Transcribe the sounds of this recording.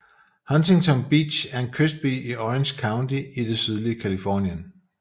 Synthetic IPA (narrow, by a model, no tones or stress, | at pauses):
hɒnsʰeŋt͡sʰɒ̽ŋb̥ḭ̥ːɕæɐe̝nkʰøsd̥̚b̥ḭːʔiʔɒenɕkʰɑ̈ʊndʰiid̥e̝syð̞ˠliəkʰælifɒ̰ːnjən